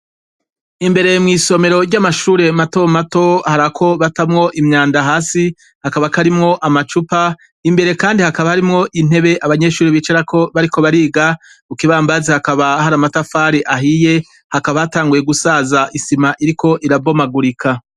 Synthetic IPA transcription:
imbe̞ɾe̞mŋiːso̞me̞ɾo̞ɾɟamaʃuːɾe̞mato̞mato̞haɾakʰo̞βatamŋo̞ʔimɲaːndaɦaːsi | hakaβakaɾimŋo̞ʔamat͡ʃupa | imbe̞ɾe̞kaːndihakaβahaɾimŋo̞ʔin̥e̞βe̞ʔaβaɲe̞ʃuːɾiβit͡ʃaɾakʰo̞βaɾiko̞βaɾiːɡa | ukiβaːmbazehakaβahaɾamatafaɾiʔaɦije̞ | hakaβahataːŋɡuje̞ɡusaːzaʔisimaʔiɾikʰo̞ʔiɾabo̞maɡuɾikʰa

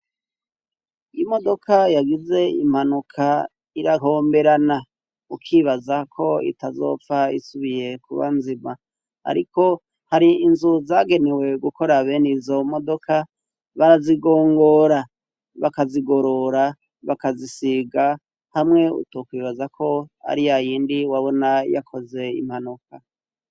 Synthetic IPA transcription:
ijimo̞do̞kʰajaɡize̞im̥hanukʰa | iɾaɦo̞ːmbe̞ɾana | ukʰiːβazakʰo̞ḭtazo̞̰faisuβije̞kuβa̰nzima | a̰ɾiko̞ | haɾiːnzuzaːɡe̞newe̞ɡukʰoɾaβenizo̞mo̞do̞ka | βaɾaziɡo̞ːŋɡo̞ɾa | βakaziɡo̞ɾo̞ɾa | βakazisiɡa | hamŋe̞ṵtokwiːβazakʰo̞a̰ɾijajiːndiwaβo̞naja̰kʰo̞ze̞ḭm̥hanukʰa

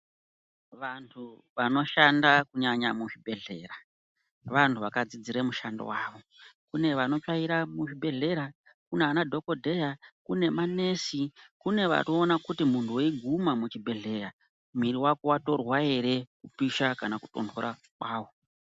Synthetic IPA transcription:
ʋantʰu | ʋano̞ʃandakuɲaɲamuʐibʱe̞ɮe̞̰ːɾa | ʋantʰuʋakad͡zid͡ziɾemuʃando̰waːʋo̞ | kune̞ʋano̞t͡ʃaiɾamuʐibʱe̞ɮe̞ɾa | kuneanadʱo̞ko̞dʱe̞jakune̞mane̞ːsikune̞ʋa̰toːnakutimuntʰuweiɡʱumamut͡ʃibʱe̞ɮe̞ːɾa | miɾiwakowato̞rwae̞ɾe̞kupiʃakanaku̥to̞̰ntʰoɾʔa̰ | kwaːwo

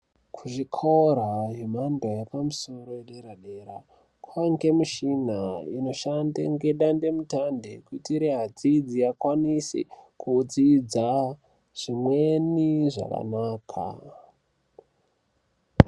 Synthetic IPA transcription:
kʰuʐikʰoɾaɦemandojepamuso̞ɾo̞eɗeɾaɗe̞ɾa | kʰwaŋɡe̞muʃinaino̞ʃanda̰ŋɡe̞ɗande̞mutandḛkutiːɾiɦad͡zid͡zijakwanisḭkud͡zid͡za | ʐ̥imweniʐa̰ka̰naːkʰa̰

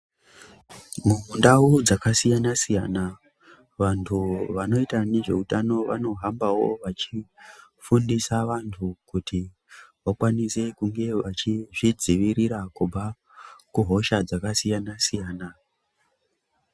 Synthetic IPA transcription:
mumundaud͡zakasijanasijana | ʋantʰuʋano̞itane̞ʐe̞̰utano̞ʋa̰no̞ɦambawo̞ʋat͡ʃifundisaʋantʰukuti | ʋakwanise̞kuŋɡe̞ʋat͡ʃiʐid͡ziʋiɾiɾakub͡vʱa | kuɦo̞ʃad͡zakasijanasijaːna

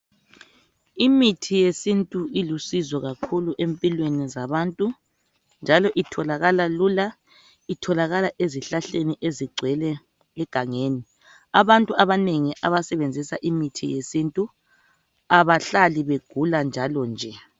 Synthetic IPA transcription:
imitʰijesintʼuilusizɔɣakʰuluʔempʼilwenizaβantʼu | nd͡ʒʱalɔʔitʰɔlaɣalalula | itʰɔlaɣalaʔeziɬaɬeniʔeziɡ͡ǀʱwɛlɛ | ɛɡ̥ʱaŋeːni | aβantʼuaβaneŋiʔaβasɛβend͡zʱisaʔimitʰḭjesintʼu | aβaɬaliβeɡ̥ʱuland͡ʒʱalɔnd͡ʒʱɛ

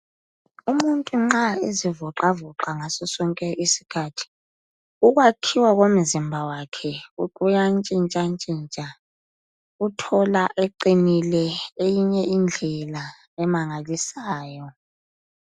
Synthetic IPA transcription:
umuntʼuŋ͡ǁaezivɔǃavɔǃaŋasɔsɔŋkʼɛʔisi̥kʰaːtʰi̥ | uɣwakʰiwaɣom̩zimbʱawakʰɛukʼujant͡ʃʼint͡ʃʼant͡ʃʼint͡ʃʼa | utʰɔlaʔeǃinilɛejiɲɛind͡ɮʱɛla | ɛmaŋalisaːjɔ

